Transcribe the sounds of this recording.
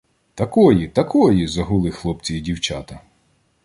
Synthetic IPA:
t̪ɐkɔjit̪ɐkɔjizɐɦʊlˠɪxlˠɔpt͡sʲijidʲiwt͡ʃɑt̪ɐ

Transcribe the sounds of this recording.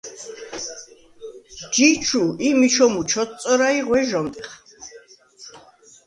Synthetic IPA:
d͡ʒit͡ʃʰuimit͡ʃʰɔmut͡ʃʰɔtt͡sʼɔɾaiʁwɛʒɔmt̪ʼɛχ

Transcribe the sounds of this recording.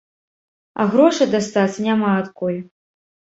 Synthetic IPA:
ɐ̰ɣɾɔʂɐd̪ast̪at̪sɐnʲamaːt̪kɔjɛ

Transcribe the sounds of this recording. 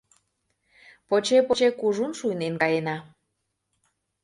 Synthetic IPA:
pot͡ɕepot͡ɕekuʒunʃujnenkɑjenɑ

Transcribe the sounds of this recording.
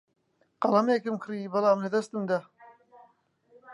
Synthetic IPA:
qɑlɐmeːkɨmkʰɾiːbɨlˠaːmlɐd̪ɐst̪ɨmd̪a

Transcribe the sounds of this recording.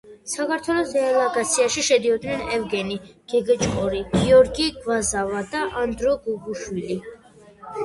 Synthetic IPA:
sakʰaɾt̪ʰwɛlˠɔsɛːlˠaɡat̪sʰiaʃiʃɛd̪iɔd̪nɛnɛvɡɛniɡ̥ɛɡɛt͡ʃʼqʼɔɾiɡ̥iɔɾɡiɡvazavad̪aʔand̪ɾɔɡuɡuʃwili

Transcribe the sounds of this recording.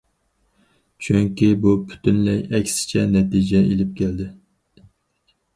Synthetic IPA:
t͡ʃʰyŋkʲibupʰy̥t̪ʰynlɛjɛkʲsɪ̥t͡ʃʰɛnɛt̪id͡ʒɛelɪp̚kʲæld̪ɪ

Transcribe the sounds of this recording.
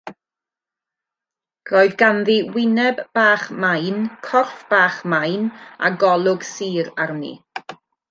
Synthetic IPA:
ɡ̥rɔɨðɡanðiwɪnɛbb̥aːχmajnkʰɔrfb̥aːχmajna̰ɡɔlˠʊɡsiːɾarnḭ

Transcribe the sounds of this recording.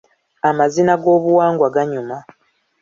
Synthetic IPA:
amazinaɡo̞ːβuwaːŋɡwaɡaɲuma

